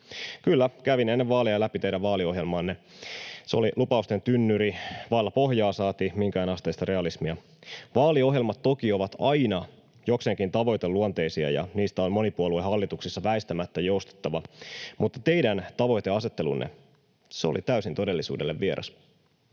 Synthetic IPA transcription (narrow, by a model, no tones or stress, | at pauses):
kylːækæʋine̞nːeʋʋɑːliɑlæpit̪e̞idæʋʋɑːlio̞ɦjelmɑːnːe | seolilupɑust̪e̞nt̪ynːyɾiʋɑːlːɑpo̞hjɑːsɑːt̪imiŋkæːnɑst̪eːst̪ɑɾe̞ɑlismiɑ | ʋɑːlio̞ɦjelmɑt̪ːo̞kio̞ʋɑt̪ɑinɑ | jokseŋkint̪ɑʋo̞jt̪elːuont̪e̞isiɑ̰jɑ̰niːst̪æonmo̞nipuolueɦɑlːit̪uksisːɑʋæist̪æmæt̪ːæjo̞ust̪ɑ̥t̪ːɑʋɑmut̪ːɑt̪e̞idænt̪ɑʋo̞jt̪eɑset̪ːe̞lṵnːḛ | seo̰lit̪æysint̪o̞de̞lːisṵːde̞lːeʋːieɾʔɑ̰s